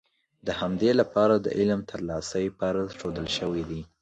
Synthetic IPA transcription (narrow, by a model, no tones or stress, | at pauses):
d̪əhamd̪elapɑɾad̪ə̰ʔɪlmt̪ʰəɾlɑsəjpaɾaʃod̪əlʃəwid̪i